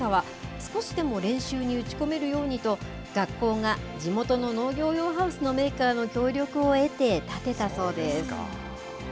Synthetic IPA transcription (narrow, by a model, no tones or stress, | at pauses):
aβ̞a | sɨ̥ko̞ɕid̪e̞mo̞ɾẽ̞ɰ̃ɕɨːɲ̟iɯ̟t͡ɕi̥ko̞me̞ɾɯ̟jo̞ːɲ̟it̪o̞ | ɡ̥akːo̞ːŋad͡ʑimo̞t̪o̞no̞no̞ːɡʲo̞ːjo̞ːɦaɯ̟sɨno̞me̞ːkaːno̞kʲo̞ːɾʲo̞kɯ̟o̞e̞t̪e̞t̪at̪e̞t̪aso̞ːd̪e̞sɨ̥